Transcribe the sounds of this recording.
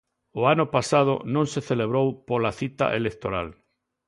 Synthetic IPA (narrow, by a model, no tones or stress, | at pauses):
oanopasað̞o̰nõnseθeleβ̞ɾowpolaθit̪a̰ʔelek̚t̪oɾa̰l